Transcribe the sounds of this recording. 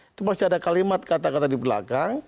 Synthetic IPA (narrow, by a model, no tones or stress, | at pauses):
it̪umastiadakalimat̪̚kat̪akat̪adipəla̰kaŋ